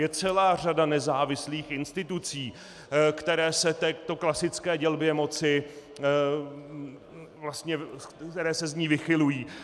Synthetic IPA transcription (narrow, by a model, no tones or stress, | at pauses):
jɛt͡sɛlaːr̝adanɛzaːvɪsliːxɪnst̪ɪt̪ut͡siː | kt̪ɛɾɛːsɛt̪ɛːt̪o̞klasɪt͡skɛːɟɛlbjɛmo̞t͡sɪ | vlast̪ɲɛt̪ɛɾɛːsɛzɲiːvɪxɪlujiː